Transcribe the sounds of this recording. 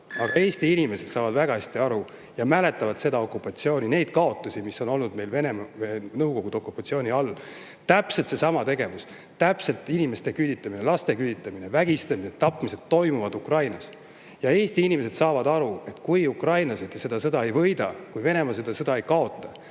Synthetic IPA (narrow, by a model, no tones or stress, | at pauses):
ɑɡ̥ɑe̞ːst̪iinʲime̞se̞d̪sɑːvɑd̪væɡ̥ɑhæsʲt̪iɑɾu | jɑmæle̞t̪ːˑɑvɑd̪̥se̞d̪ɑo̞kːˑupːˑɑt̪sio̞ːnʲine̞jd̪̥̚kɑo̞t̪ːˑusimiso̞no̞lnud̪̥me̞jlve̞nemɑvenɤwko̞ɡ̥ud̪eo̞kːˑupːˑɑt̪sio̞ːniɑlː | t̪æpselt̪se̞sɑmɑt̪e̞ɡ̥e̞vus | t̪æpse̞lt̪ːˑinime̞st̪e̞kylʲit̪ˑːɑminelɑst̪e̞kylʲit̪ːˑɑmine̞væɡ̥ist̪ɑmised̪ɑpːˑmise̞d̪̥t̪ːo̞jmuvɑd̪ukrɑjnɑs | jɑe̞ːst̪iinʲime̞se̞d̪̥sɑːvɑd̪ɑɾue̞t̪kujukrɑjnlɑse̞d̪se̞d̪ɑsɤd̪ɑe̞jvɤ̞jd̪̥ɑkujve̞ne̞mɑs̬e̞d̪̥ɑsɤd̪ɑe̞jkɑo̞t̪ˑːɑ